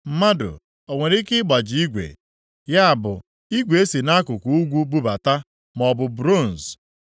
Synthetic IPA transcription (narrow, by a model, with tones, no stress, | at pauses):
m̩˦ma˦dʊ̰˨ | o˨ŋʷe˨ɾɪ˦kɪ˦ɡ͡ba˨d͡ʒɪ˨i˦ɡʷḛ˨ | ja˦a˨bʊ˨ | i˦ɡʷe˨e˦si˨na˦kʊ˨ku˨u˦ɡʷu˦ɡ͡bu˦ba˨ta˦ | mɔ˨bʊ˨bɾo˦˨n̩˨s